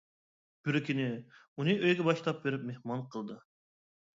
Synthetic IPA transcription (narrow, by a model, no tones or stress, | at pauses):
b̥yɾɪkʲinɪ | unɨʔøjɡʲɛbɑʃlˠɑp̚beɾɪp̚mehmɑnqʰəlˠd̪ɨ